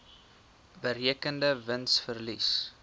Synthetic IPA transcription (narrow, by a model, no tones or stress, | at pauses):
bəɾiəkəndəvənsfərlis